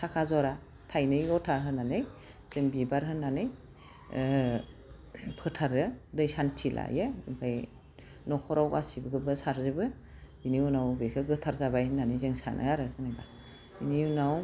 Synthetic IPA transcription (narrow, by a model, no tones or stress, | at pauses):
sʰakʰazɔɾa | tʰajnɯjɔtʰaɦɯnanɯj | z̥ɯŋbibaɾɦɯnːanɯj | pʰɯtʰaɾɯdɯjsantʰilʔa̰jepʰaj | nɔkʰɔɾawɡa̰sibɯɡɯbɯsaɾzɯbɯ | iniunawbekʰɯɡɯtʰaɾzabajhɯnanɯjzɯŋsa̰nʔɯ̰aɾɯzanajba | iniunaw